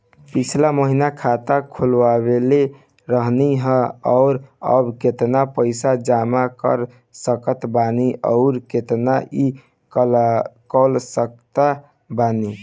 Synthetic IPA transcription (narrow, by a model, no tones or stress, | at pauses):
pit͡ʃʰlaməɦinakʰat̪akʰulwaβele | ɾəɦniɦə̃ɔʊɾə̰bket̪napəɪsad͡ʒamakə̰ɾ | səkət̪baniʔəʊɾket̪naʔi | k | kɔlsək̚t̪a | bani